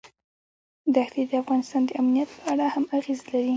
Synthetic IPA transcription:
d̪axlid̪əafɣɑnɪst̪ɑnd̪əamnijat̪̚pəaɽahamaɣezlaɾi

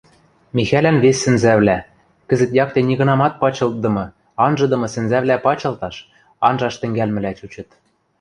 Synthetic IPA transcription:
mʲixælænβesːɘ̆nzæβlæ | kɘ̆zɘ̆t̪jɑk̚t̪enʲiɣɤ̆nɑmɑt̪̚pɑt͡ɕɤ̆l̚d̪ɤ̆mɤ̆ | ɑnʒɤ̆d̪ɤ̆mɤ̆sɘ̆nzæβlæpɑt͡ɕɤ̆lt̪ɑʃ | ɑnʒɑʃt̪ɘ̆ŋɡælmɘ̆læt͡ɕut͡ɕɤ̆t̪

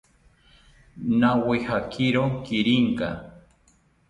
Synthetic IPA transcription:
nawehakiɾokɪɾiŋka̰

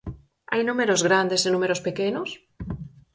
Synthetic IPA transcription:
a̰jnũmeɾozɣɾand̪esenũmeɾospekenos

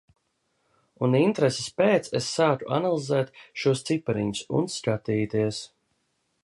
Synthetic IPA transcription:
unint̪ɾesespeːt̪sesːaːt̪uʔanalˠizɛːt̪ʃuɔst̪sipɛɾiɲusṵnskat̪iːt̪iəs

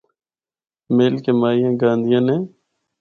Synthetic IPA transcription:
meːlkeːmaːijãːɡãːnd̪ʱɪjãːnẽː

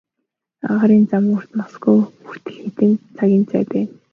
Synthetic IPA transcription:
a̰ʁaɾiːnt͡samur̥t̪masɡujur̥t̪ɘ̆ɮxet̪ɘ̆nt͡sʰaɣʲiːnt͡sæ̰ːpæːn

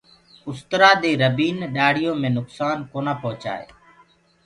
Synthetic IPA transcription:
ʊst̪əɾaːd̪eːɾəbiːnɗaːɽ̤ɪjõːmẽːnʊksaːnkoːnaːpɔɦt͡ʃa̰ːḛː

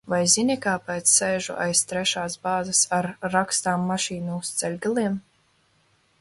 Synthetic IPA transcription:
vajzinʲikaːpɛːt̪sːɛjʒṵʔa̰jst̪ɾɛʃaːsbaːzasaɾːakst̪aːmːaʃiːnuust̪sɛlʲɡalˠiɛm

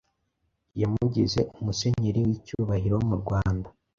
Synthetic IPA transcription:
jamuɟize̞ʔumuseɲeɾiwicuβaɦiɾo̞muɾɡwaːnda

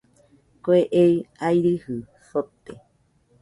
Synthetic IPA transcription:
koeʔejajɾɨhɨ | sot̪e

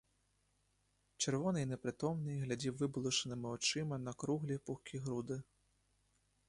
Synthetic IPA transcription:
t͡ʂɛrvɔnɨjnɛpɾɨt̪ɔmnɨɣlʲad͡zʲiwvɨblˠuʂɐnɨmɨwt͡ʂɨmɐnɐkɾuɣlʲipuxkʲiɣɾud̪ɨ

